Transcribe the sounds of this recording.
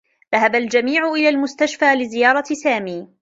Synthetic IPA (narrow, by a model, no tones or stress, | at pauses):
ðaɦabald͡ʒamiːʕʊʔɪlaːlmʊst̪aʃfaːlɪzɪjɑːɾˤɑsaːmiː